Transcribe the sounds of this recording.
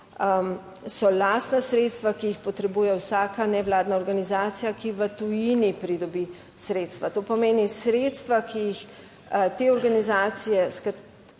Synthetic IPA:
sɔlaːst̪nasɾeːt̪st̪ʋakijixpɔt̪ɾɛbuːjɛwsaːkanɛwlaːd̪naɔɾɡanizaːt̪sijakiʋət̪ujinipɾid̪ɔbi | sɾeːt̪st̪ʋat̪oːpɔmeːnisɾeːt̪st̪ʋakijix | t̪eːɔɾɡanizaːt̪sijɛskat̪

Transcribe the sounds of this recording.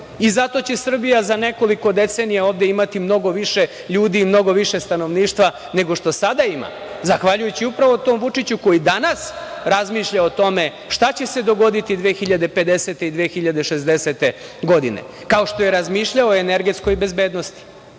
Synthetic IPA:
izat̪o̞t͡ɕesr̩bijazane̞ko̞liko̞d̪e̞t̪senijaoːʋd̪eimat̪imno̞ɡo̞ʋiʃe̞ | ʎuːd̪iːmno̞ɡo̞ʋiʃe̞st̪ano̞ʋniːʃt̪ʋa | ne̞ɡo̞ʃt̪o̞sad̪aima̰ | zaxʋaʎujut͡ɕiupɾaʋot̪o̞ːmʋut͡ʂit͡ɕuko̞jid̪anasɾazmiːʃʎao̞t̪o̞me̞ | ʃt̪at͡ɕe̞se̞d̪o̞ɡo̞d̪it̪id̪ʋexiʎad̪e̞pe̞d̪e̞set̪e̞id̪ʋeːxiʎad̪e̞ʃe̞zd̪e̞set̪e̞ɡo̞d̪inḛkao̞ʃt̪o̞je̞ɾazmiːʃʎaoːene̞ɾɡe̞t̪sko̞jbe̞zbe̞ːd̪no̞st̪i̥

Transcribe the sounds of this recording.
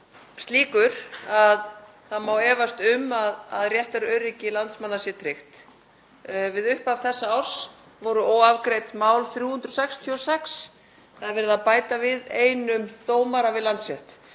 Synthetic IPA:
st̪liːkʏɾ̥að | θaðmaːwɛːvast̪ʏmaðaðrjɛht̪ɛɾʏœɥrɪcɪlant̪smanːasjɛt̪ʰɾɪxt̪ | vɪðʏhpavθɛsːaawɾ̥s | vɔɾʏɔːwavkɾejt̪maːwlθɾjuːhʏnt̪ɾɔsɛkst̪ʰjiɔsɛks | θaðɪɾvɛːɾɪðapaːjt̪avɪðeːjnʏmt̪oːwmaɾavɪðlant̪svjɛht̪

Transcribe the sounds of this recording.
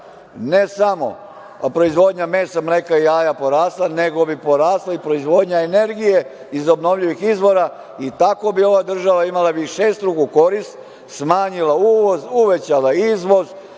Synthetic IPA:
nesamo̞̰ | pɾo̞izʋo̞d̪ɲameːsamɾekaiaːjapo̞ɾaːslˠane̞ɡo̞bipo̞ɾaːslaipɾo̞izʋo̞d̪ɲaene̞ɾɡije̞ | izo̞bno̞ʋʎiʋixizʋo̞ɾa | it̪ako̞bio̞ʋad̪r̩ʒaʋaimalabiʃeːst̪ɾuɡuko̞ɾist̪ | smaːɲilauːʋo̞zuʋe̞t͡ɕalaizʋo̞z

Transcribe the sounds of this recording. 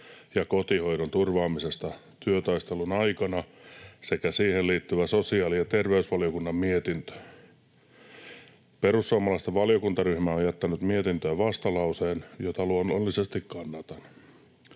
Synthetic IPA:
jɑkot̪ihoiɾont̪urʋɑːmisest̪ɑ | t̪yøt̪ɑist̪elunɑikɑnɑsekæsiːhelliːt̪ːyʋæsosiɑːlijɑt̪erʋeysʋɑlijokunːɑmmiet̪int̪ø̥ | perusːuɑmːɑlɑst̪ɑʋɑljokunt̪ɑryhmæojjæt̪ːænyt̪miet̪int̪øːʋɑst̪ɑlɑuseːnjot̪ɑluonːonlːisest̪ikkɑnːɑt̪ɑn

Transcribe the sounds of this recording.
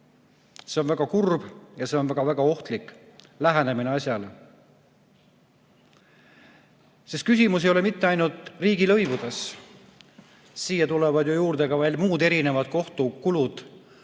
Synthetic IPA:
se̞o̞nvæɡ̥ɑkurb̥jɑse̞o̞nvæɡ̥ɑvæɡ̥ɑo̞ht̪likːˑ | læɦenemineɑsjɑle | sist̪̚kysʲimus̬ejo̞le̞mit̪ˑːe̞ɑjnult̪ˑriːɡ̥ilɤjvud̪̥e̞s | siːjɑt̪ulevɑd̪jojuːrd̪̥e̞ɡ̥ɑvɑlʲmuːd̪e̞ɾine̞vɑd̪̥̚ko̞ht̪ukulud̪̥

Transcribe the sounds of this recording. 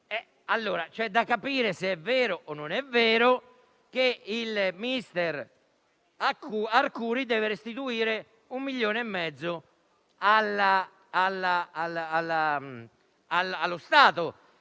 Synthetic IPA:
ɛ | alːoːɾat͡ʃɛd̪ːakːapiːɾeseɛvːɛːɾoʔonːonɛveːɾo | k̟eilminist̪ɛɾ | akuarkuːɾid̪ɛːveɾest̪it̪uiːɾe | umːiʎːoːneɛmːɛd̪zːʊ | alaː | lːalalːa | alalːost̪aːt̪o

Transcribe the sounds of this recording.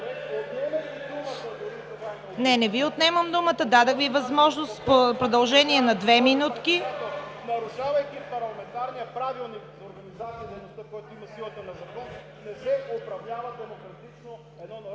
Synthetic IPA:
ot̪nɛmɐk̪ʲid̪umət̪əd̪ʊɾisɛva | nɛnɛviʊt̪nɛməmd̪umət̪əd̪ad̪əxvivɐzmɔʒnost̪popɾod̪ɐlˠʒɛniɛnɐd̪vɛminut̪kinɐɾʊʃavɐjk̪ʲipɐɾlˠɐmɛnt̪aɾniəpɾavilˠnikzoɾɡɐnizat̪sijɐd̪ɛjnost̪əkɔjt̪oimɐsilˠət̪onɐzɐkɔn | nɛsɛopɾɐvlʲavɐd̪ɛmokɾɐt̪it͡ʃno | ɛd̪nɔnɐ

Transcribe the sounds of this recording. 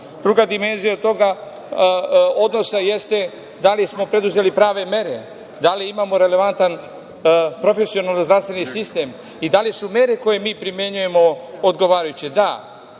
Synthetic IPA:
d̪ɾuɡad̪ime̞nzijaot̪o̞ɡa | o̞d̪no̞saje̞st̪e̞ | d̪alismo̞pɾe̞d̪uze̞lipɾaːʋe̞me̞ɾe̞ | d̪aliimamo̞ɾe̞le̞ʋant̪an | pɾo̞fe̞sio̞nalnozd̪ɾast̪ʋe̞nisist̪e̞m | id̪aljisume̞ɾe̞ko̞je̞miːpɾimje̞ɲuje̞mo̞od̪ɡo̞ʋaːɾajut͡ɕid̪a

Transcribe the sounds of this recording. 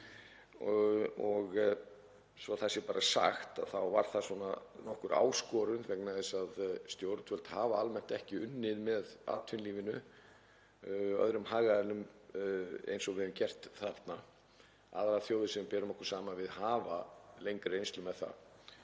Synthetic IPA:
ɔɣ | svɔθɛsːɪpaːɾasa̰xt̪a̰ðθawva̰ɾ̥θaswɔnanɔhkʏɾa̰ːwskɔɾʏnvɛknaðɪsaðst̪jowɾt̪fœl̥t̪haːvaalmɛn̥t̪ɛhcɪʏnːɪðmɛða̰t̪ʰʏnliːvɪnʏ | œ̰ðɾʏmɦaːɣaðɛnʏm | ḛjnsɔvɛðʏmcɛr̥t̪θaɾt̪na | a̰ðɾaθjoːwðɪsɛmpɛːɾʏmɔhkʏ̥saːmavɪðhaːvalejŋkɾejnst̪lʏmɛðθa̰

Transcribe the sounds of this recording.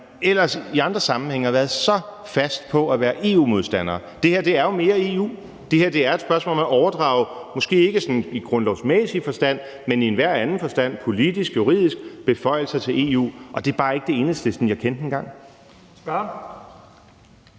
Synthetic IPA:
elɐsiɑ̈nd̥ʁɐsɑ̈mn̩heŋ̰əɑʋæːɐð̩ˠsɒ̽ | fæsd̥pʰɒ̽æʋæːɐʔe̝ːṵːmo̝ð̞ˠsd̥æn̰ɐː | d̥e̝hæɐ̰d̥e̝æɐjo̝me̝ːɐe̝ṵː | d̥e̝hæɐ̰d̥e̝æɐe̝d̥sb̥ɶɐsmɔ̰lɒmæʔɒʊɐd̥ʁɑ̰̈ːʊmɒ̽sɡ̥e̝̰ːe̝ɡ̥əsɒ̽niɡ̥ʁɔ̽nlɒʊsmesifɒ̽sd̥æn̰ | menienʋæɐ̰ænð̩ˠfɒ̽sd̥æn̰pʰo̝lid̥isɡ̥juʁḭð̞̰ˠisɡ̥b̥e̝fɒ̽ɪ̰l̩sɐt͡sʰe̝le̝̰ṵːɒ̽d̥e̝ɐb̥ɑ̈ːe̝ɡ̥əd̥e̝e̝ːnəsd̥əsɒn̩jɑ̈ɪkʰen̰d̥enɡ̥ɑ̈ŋ̰̥

